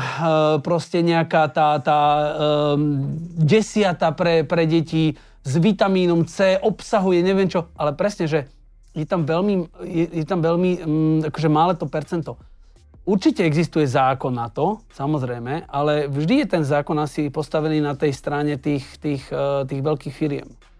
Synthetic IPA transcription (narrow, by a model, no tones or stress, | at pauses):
pɾɔscɛɲɛakaːt̪aːt̪aː | ɟɛsɪat̪apɾɛpɾɛɟɛci | zʋit̪amiːnɔmt͡sɛːʔɔpsaɦujɛɲɛʋɛnt͡ʃɔʔalɛpɾɛsɲɛʒɛ | jɛt̪amʋɛʎmijɛjɛt̪amʋɛʎmiakɔʒɛmaːlɛt̪ɔpɛɾt͡sɛnt̪ɔ | uɾt͡ʃicɛɛɡzist̪ujɛzaːkɔnːat̪ɔsamɔzɾɛjmɛʔalɛvʒd̪ijɛt̪ɛnzaːkɔnasipɔst̪aʋɛniːnat̪ɛjst̪ɾaɲɛt̪iːxt̪iːxt̪iːɣʋɛʎkiːxfiɾɪɛ̰m